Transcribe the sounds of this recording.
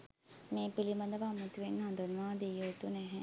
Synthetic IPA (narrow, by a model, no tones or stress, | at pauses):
mẽːpilimɐd̪ɐʋamut̪uʋenɦɐ̃nd̪ənʋaːd̪ejot̪unɛɦɛ̃